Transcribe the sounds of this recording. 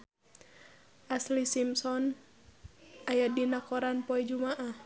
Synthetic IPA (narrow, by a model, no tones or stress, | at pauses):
ʔaslisimsɔn | ʔajadinakɔɾanpɔɛd͡ʒumaʔah